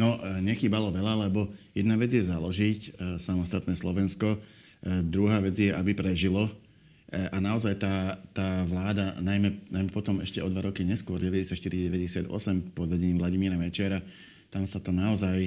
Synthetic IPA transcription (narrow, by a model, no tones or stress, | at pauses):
nɔɲɛxiːbalɔʋɛʎalɛbɔjɛd̪naʋɛd͡zɪjɛzalɔʒicsamɔst̪at̪nɛːslɔʋɛnskɔ | d̪ɾuɦaːʋɛd͡zjɛʔabipɾɛʒilɔ | ʔanaɔzajt̪aːt̪aːʋlaːd̪anajmɛnajmɛpɔt̪ɔmɛʃcɛɔd̪ʋaɾɔkiɲɛskwɔɾɟɛʋɛɟɛsjac̪ʃt̪iɾiɟɛʋɛɟɛsɪad̪ɔ̰sɛmpɔd̪ʋɛɟɛɲiːmʋlaɟimiːɾamɛt͡ʃɛɾa | t̪amsat̪ɔnaɔzaj